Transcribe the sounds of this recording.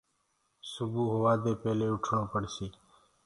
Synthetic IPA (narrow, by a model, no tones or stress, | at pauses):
sʊbuːɦoːʋaːd̪eːpeːleːʊʈʰɳõːpəɽsiː